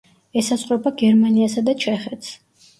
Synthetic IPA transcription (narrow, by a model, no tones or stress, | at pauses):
ɛsasʼχʼɾɔbaɡɛɾmaniasad̪at͡ʃʰɛχɛt̪ʰs